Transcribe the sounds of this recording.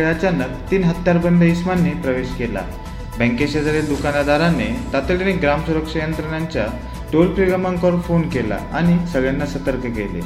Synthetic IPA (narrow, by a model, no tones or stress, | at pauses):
ɭjat͡ɕjanːə | t̪iːnɦət̪ːjaɾbənd̪ʱəismanːipɾəʋeɕkela̰ | bə̃ŋkeɕed̪əɾed̪ukanad̪ʱaɾanet̪at̪əleneɡɾamsuɾəkʂəjənt̪ɾəɳjaɲt͡ɕja | ʈolpɾiɾəmãŋkəɾfonkela̰aɽ̃isəɡɭjanːasət̪əɾkəkelḛ